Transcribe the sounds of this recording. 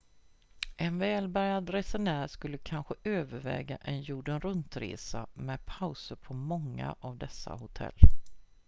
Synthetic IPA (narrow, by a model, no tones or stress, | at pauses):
ʔɛnvɛːlbæɾjad̪ɾɛsɛnæːɾʂkɵlːəkʰanɧəøːvəɾvɛ̰ːɡaʔɛnjuːɖənɾɵnt̪ɾḛːsamɛpʰaʊsəɾpʰɔmɔŋːa̰ʔavd̪ɛsːa̰hʊt̪ʰɛ̰lː